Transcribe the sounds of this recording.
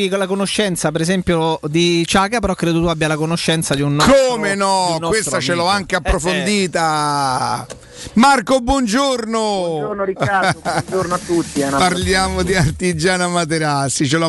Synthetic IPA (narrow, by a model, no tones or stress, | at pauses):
kolakonoʃːɛnt̪sapeɾezɛmpjod̪it͡ʃaːkapeɾɔkːɾeːd̪ot̪uabːjalakonoʃːɛnt̪sad̪iunːkomenɔnkɔwest̪at͡ʃelɔaŋkeapːɾofond̪iːt̪a | markobwɔnd͡ʒornonɾiaoɾnoat̪ːut̪ːianapaɾljaːmod̪iart̪id͡ʒaːnamat̪̬eɾasit͡ʃela